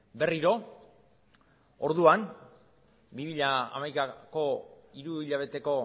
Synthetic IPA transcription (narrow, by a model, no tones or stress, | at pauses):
be̞riɾo̞ | oɾðuan | bimiʎaa̰majkako̞iɾuiʎaβ̞e̞t̪e̞ko̞